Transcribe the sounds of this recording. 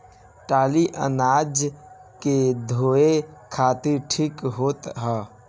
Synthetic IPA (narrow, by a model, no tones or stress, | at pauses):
ʈaːliʔə̰naːd͡ʒked̪ʱoːekʰaːt̪iɾʈʰiːkɦoːt̪ɦɛ